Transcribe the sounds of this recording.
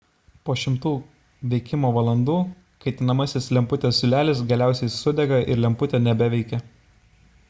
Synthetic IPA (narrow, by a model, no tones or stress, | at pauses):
poːʃʲɪmt̪uː | ʋʲɛɪkʲɪmoːʋɐlˠɐnd̪uː | kɐɪt̪ʲɪnɐmɐsʲɪslʲɛmpʊt̪ʲessʲʊlʲæːlʲɪsɡɐlʲæˑʊsʲɛɪsʊd̪ʲɛɡɐʔɪ̰ɾlʲɛmpʊt̪ʲenʲɛbʲɛʋʲɛɪkʲɛ